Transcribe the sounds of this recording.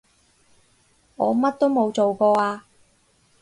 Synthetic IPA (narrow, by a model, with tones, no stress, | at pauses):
ŋɔː˨˧mɐ˥t̚t̪o˥wmo˨˧wt͡so˨wkɔː˧aː˧